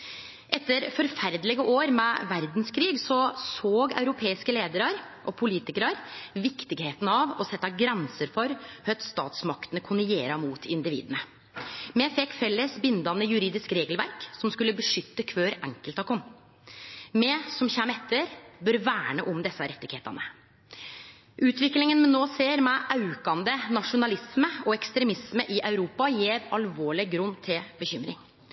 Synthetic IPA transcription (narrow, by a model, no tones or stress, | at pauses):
ʔɛt̪ːəɾfɔɾfæɾd̪lɪɡəʔoːɾmɛʋæɾd̪n̩skʰɾiːɡsɔsoːɡɑ̰ʉɾʊpʰeːɪskəleːd̪əɾəɾ | ʔɔpʰʊliːt̪ɪkəɾəɾʋɪkt̪ɪɡheːt̪ənɑʋɔsɛt̪ːɑɡɾɛnsəɾfɔɾhœt̪st̪ɑ̰ːt̪smɑkt̪ənəkʰʊnɾɛjeːɾɑmuːt̪ʰɪnd̪ɪʋḭːd̪ənə | mɛfɛkːfɛlːəsbɪnd̪ɑnəjʉɾiːd̪ɪskɾeːɡəlʋæɾksɔmskʉlːəbəʂʏt̪ːəkʰʋøːɾɛ̰ŋkəlt̪ɑkʰɔm | mɛsɔmçɛmɛt̪ːəɾbœɾʋæːɳəʔɔmd̪ɛsːəɾɛt̪ːɪɡheːt̪ɑ̰nə | ʔʉːt̪ʋɪklɪŋənmɛnːoːseːɾmɛʔɑʉkɑnd̪ənɑʂʊnɑlɪsməɔɛkst̪ɾɛmɪsməʔɪʔɑʉɾuːpɑjeːɾɑlʋoːɭɪɡɾʉnːt̪ʰɪlbəçʏmɾɪ̰ŋ